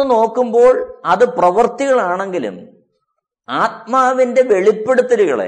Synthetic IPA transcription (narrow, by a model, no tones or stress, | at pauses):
ɨno̞ːkːumbo̞ːɭɐðɨprɐʋɐrt̪iɣɐɭaːɳe̞ŋɡilṵm | aːt̪̚maːʋinde̞ʋe̞ɭipːe̞ɽut̪ːɐɾuɣɐ̰ɭḛ